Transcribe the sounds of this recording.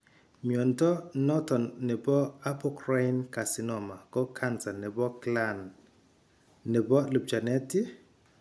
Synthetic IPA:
mjɔ˨ntɔ˦nɔ˦tɔ˨nːɛ˨bɔ˦a˦pɔ˦kɾa˦i˦nka˨sɪ˦nɔ˨ma˨kɔ˦kʰa˦nsa˨nɛ˨bɔ˦klan | ɛ˨bɔ˦lu˨p̚d͡ʒa˨nɛ˦ti˦

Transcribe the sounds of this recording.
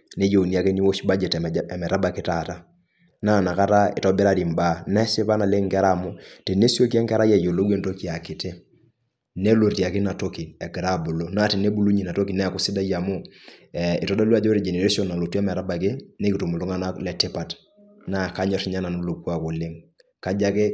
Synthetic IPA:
ne˦d͡ʒo˨ni˨a˨ke˦ni˦wo˦ʃba˦d͡ʒɛ˨tɛ˨ɛ˨mɛ˨ɾa˦ba˨kɪ˦ta˦˨ta˦ | na˦˨na˨ka˦ta˦ɪ̰˨tɔ˦bɪ˦ɾa˦ɾi˨mba˦nɛ˦sɪ˦pa˦na˨lɪ˦ŋkɛ˦ɾa˦˨mʊ˦tɛ˨ne˦si˦o˦ki˦ɛ˦ŋkɛ˦ɾa˦jɛ˨jo˨lo˦ɡwe˦nto˦ki˦a˨kɪ˨tɛ˦ | nɛ˦lo˨ɾja˨kɪ˦na˨to˦ki˨ɛ˨ɡɾa˦˨bu˨lo˦na˦tɛ˨ne˦bu˨˦lu˦ɲi˨na˨to˦ki˨nɛ˦a˨kʊ˨sɪ˦da˦ja˨mʊ˦ɛ˨ɪ˨tɔ˦da˦la˦d͡ʒɔ˦ɾi˨d͡ʒɛ˨ne˨ɾe˦si˦ɔ˦˨na˨lo˨tu˦ɛ˦mɛ˨ɾa˦ba˨k̬ɪ˦nɛ˦ki˨tu˨mu˨lu˦ŋa˦na˦lɛ˨te˦pa˨t | na˦˨ka˦ɲɔ˦tɲa˦na˨no˨˦lo˨ku˦a˨kʊ˨lɪ˦ŋ | ka˦d͡ʒa˦kɪ˦

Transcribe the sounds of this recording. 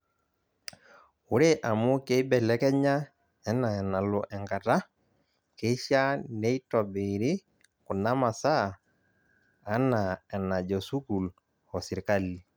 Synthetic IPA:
u˦ɾe˦ʔa˨mʊ˦ke˦i˦bɛ˨lɛ˦kɛ˦ɲa˦ | ɛ˦na˨ɛ˨na˨lɔ˨ʔɛ˨ŋɡa˨ta˦ | ke˦ʃa˦ne˦i˦tɔ˨be˨ɾɪ˦ | ku˨na˦ma˨sa˦˨˦ | na˨ɛ˨na˨d͡ʒɔ˨su˦ku˨l | ɔ˨si˨ɾka˦li˨

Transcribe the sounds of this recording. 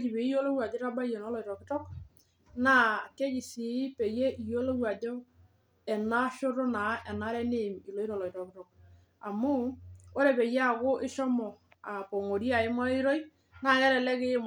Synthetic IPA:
d͡ʒi˨be˨i˦jo˦lo˦wa˨de˦ɾa˦ba˦je˨nɔ˦lɔ˨tɔ˨kɪ˦tɔ˦k | na˦ke˦d͡ʒi˨si˨˦pe˨je˦ʔi˨jo˦lo˦wa˨dɔ˦ | ɛ˨na˦ʃʊ˦ɾʊ˦na˨˦ʔɛ˨na˦ɾɛ˦ne˦˨mi˨lo˦i˦ɾɔ˨lɔ˨i˨tɔ˨kɪ˦tɔ˨k̚ | a˨mʊ˦o˦ɾe˨pe˨je˦a˨kʊ˦ʔɪ˦ʃɔ˦mɔ˨ | a˨po˨ŋo˨ɾi˦a˨ɪ˦ma˦i˦ɾo˦j | na˦˨ŋɛ˦ɾɛ˨lɛ˦kɪ˦m

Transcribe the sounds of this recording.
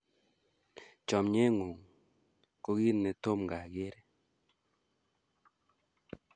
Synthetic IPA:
t͡ʃɔ˨mɲe˦ŋu˨ŋ | ko˦ɡi˦ne˨to˦mŋɡa˨ɡe˦ɾe˦

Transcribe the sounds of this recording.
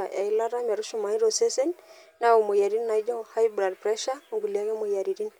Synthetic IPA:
a˨ja̰˨i˦la˦ɾa˦ma˨ɾu˦ʃu˦˨ma˨i˦ɾo˨se˦se˦n | na˦o˨mo˨ja˨ɾi˦nna˨˦d͡ʒɔ˦ha˦jbɾa˨dpɾɛ˦ʃa˦o˨ɡu˨li˨a˦kɛ˦mo˨ja˨ɾi˨ɾi˦n

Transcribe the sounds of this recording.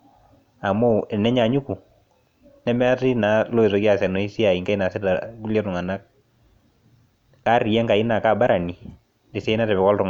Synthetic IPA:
a˨mo˦ɛ˨nɛ˦ɲa˨ɲu˦ku˨ | nɛ˦mɛ˦a˦tɪ˦na˨˦lo˦e˨sɔ˨kja˨sɛ˨nɔ˨i˦si˦a˨i˨ŋka˦i˦na˨sɪ˦ta˨ku˦ljɛ˦tʊ˨ŋa˨na˦k̚ | ka˦ri˨ɛ˦ŋka˨i˦na˨ka˦˨ba˦ɾa˨ni˨ | dɪ˨se˦na˦tɛ˨pɛ˨kɔ˦ltʊ˨ŋ

